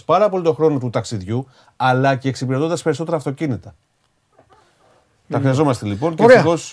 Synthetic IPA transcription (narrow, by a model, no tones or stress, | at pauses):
spɐɾɐpo̞lit̪o̞xɾo̞not̪ut̪ɐksiðʝu | ɐlɐceːksipiɾe̞t̪o̞nd̪ɐspeiso̞t̪e̞ɾɐːft̪o̞cinit̪ɐ | t̪ɐxɾiɐzo̞mɐst̪e̞lipo̞nceɾexo̞s